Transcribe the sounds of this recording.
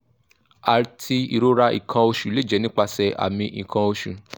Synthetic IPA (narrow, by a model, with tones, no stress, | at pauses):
a˨tʰi˧ḭ˨ɾo˦ɾa˧˦ḭ˨kʰã˧o˧ʃu˨le˨˦˨d͡ʒɛ˨˧˦nĩ˦k͡pa˧sɛ˧ʔa̰˨mĩ˧ʔĩ˨kʰã˧o˧ʃu˨